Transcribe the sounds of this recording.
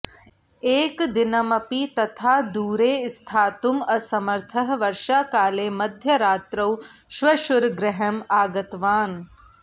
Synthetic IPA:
eːkd̪inɐmɐpit̪ɐt̪ʰaːd̪uːɾeːst̪ʰaːt̪umɐsɐmɐɾt̪ʰɐɦʋɐɾʃaːkaːleːmɐd̪ʱjɐɾaːt̪ɾɐwʃʋɐʃuɾɡɾɪɦɐmaːɡɐt̪ʋaːn

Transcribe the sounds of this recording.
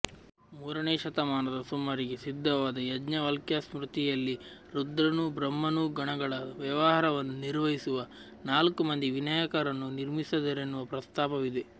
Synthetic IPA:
muːɾɐɳeːʃɐt̪ɐmaːnɐd̪ɐsumːɐɾiɡesid̪ʱːɐʋaːd̪ɐjɐd͡ʒɲɐʋɐlkjɐsmɾut̪ijɐlːiɾud̪ɾɐnubɾɐmːɐnuɡɐɳɐɡɐɭɐʋjɐʋɐɦɐːɾɐʋɐnːuniɾʋɐɦisuʋɐ | naːlkumɐnd̪iʋinɐjɐkɐɾɐnːuniɾmisɐd̪ɐɾenːuʋɐpɾɐst̪aːpɐʋid̪e̞

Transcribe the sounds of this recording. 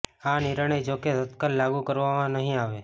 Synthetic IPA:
aniɾəɳ̃əid͡ʒoket̪ət̪kalːaɡukəɾʋamãnəɦĩaʋe

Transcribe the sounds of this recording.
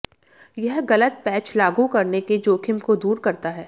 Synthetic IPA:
jɛɦɣɐlət̪̚pɛːt͡ʃlaːɡukɐɾneked͡ʒoːkʰɪmkod̪uːɾkɐɾt̪aɦɛː

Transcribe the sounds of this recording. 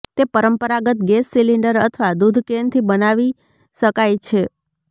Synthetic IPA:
t̪epəɾəmpəɾaɡət̪̚ɡɛsːiliɳɖəɾət̪ʰəʋad̪ud̪ʱkent̪ʰibənaʋi | ʃəkajt͡ʃʰe

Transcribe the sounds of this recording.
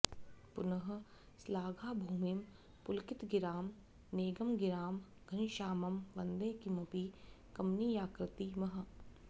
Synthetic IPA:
pʊnɐɦɐ̆ | slaːɡʱaːbʱuːmɪm | pʊlkɪt̪ɡɪɾaːm | neːɡɐmɡɪɾaːm | ɡ̥ʱɐnʃaːmɐmʋɐnd̪ẽːkimɐpiː | kɐmniːjaːkɾɪt̪imɐɦɐ̆

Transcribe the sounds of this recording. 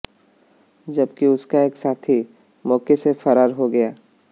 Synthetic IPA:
d͡ʒɐbkiʊskaeːksaːt̪ʰi | mɔːkesefɐɾaːɾɦoɡɐjaː

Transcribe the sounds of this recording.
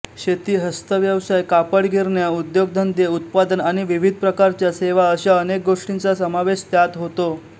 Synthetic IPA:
ɕet̪iːɦəst̪əʋjəʋsajkapəɽɡiɾɳjaud̪joɡ̚d̪ʱənd̪eut̪̚pad̪ənaɽ̃iʋiʋid̪̚ʱpɾəkaɾt͡ɕjaseʋaəɕaənek̚ɡoʂʈint͡sasəmaʋeɕt̪jat̪ɦot̪o

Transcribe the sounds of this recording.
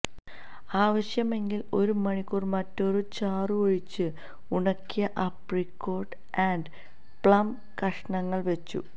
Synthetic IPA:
aːʋɐɕjɐme̞ŋɡilo̞ɾumɐɳikːurmɐtːo̞ɾut͡ɕaːrɨoɻit͡ɕːɨ | uɳɐkːijɐʔɐprikːo̞ːʈ | ɐɳɖ | pɭɐm | kɐʂɐɳɐŋːɐɭʋet͡ɕːṵ

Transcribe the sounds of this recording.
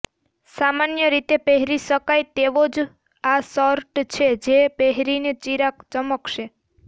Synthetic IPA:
samanjəɾit̪epeɦɾiʃəkajt̪eʋod͡ʒ | asɔɾʈt͡ʃʰed͡ʒepeɦɾinet͡ʃiɾakt͡ʃəməkʃe

